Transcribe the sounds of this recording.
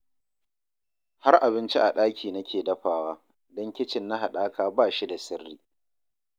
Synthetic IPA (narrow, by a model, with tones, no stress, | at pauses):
ha˦rʔa˨bɪ˦nt͡ʃi˦ʔa˨ɗaː˦kʲʰiː˨nɐ˦kʲeː˨dɐ˦ɸaː˨waː˦ | dɔ˦ŋkʲɪ˦t͡ʃɪ˨nːa˦ɦa˨ɗaː˦kaː˦baː˦˨ʃi˦da˨sɪ˦rːiː˦